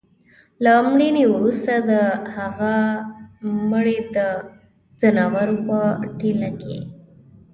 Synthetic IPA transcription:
lamɽinewɾust̪ad̪əhaɣa | məɽed̪ə | zanɑwaɾopəʈilakḛ

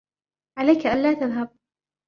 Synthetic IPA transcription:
ʕalajkaʔanlaːt̪aðɦab̚

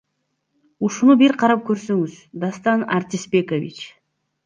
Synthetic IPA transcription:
uʃunubiɾqʰɑɾɑp̚køɾsøŋyzd̪ast̪ɑna̰ɾt̪ʲɪspe̞kovʲḭt͡ʃ

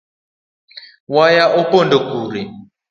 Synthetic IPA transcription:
wajaʔɔpɔndɔkuːɾi

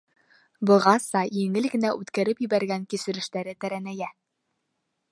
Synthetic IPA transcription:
bɤ̆ʁɑsɑjɘ̆ŋɘlɡɘ̆næʔʉt̪kæɾɘpjɘ̆βæɾɡæŋkisɘ̆ɾɘ̆ʃt̪æɾɘt̪æɾænæjæ

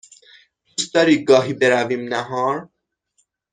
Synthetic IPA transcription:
d̪̥ust̪̚d̪ɒːɾiːɡɒːɦiːbeɾæviːmnæɦɒːɾ

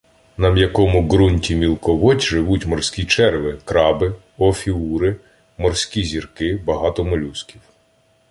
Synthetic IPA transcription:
nɐmjɐkɔmʊɡɾunʲtʲimʲilˠkɔʋɔtʲʒɪʋutʲmɔrsʲkʲit͡ʃɛrʋɪkɾɑbɪ | ɔfʲiuɾɪ | mɔrsʲkʲizʲirkɪbɐɦɑt̪ɔmɔlʲuskʲiw

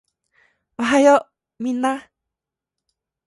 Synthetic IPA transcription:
aɦajoʔ | mina

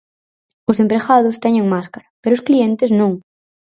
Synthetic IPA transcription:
osempɾexað̞ost̪eɲeŋmaskaɾapeɾoskliẽnt̪eznõŋ

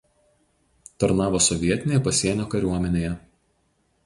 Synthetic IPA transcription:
t̪ɐɾnɑːʋoːsɔʋʲiɛt̪ʲɪnʲeːjɛpɐsʲiɛnʲoːkɐɾʲuɔmʲɛnʲeːjɛ

